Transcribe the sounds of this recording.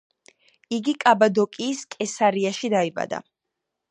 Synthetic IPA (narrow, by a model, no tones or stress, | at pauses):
iɡikʼabad̪ɔkʼiːskʼɛsaɾiaʃid̪aiba̰d̪a̰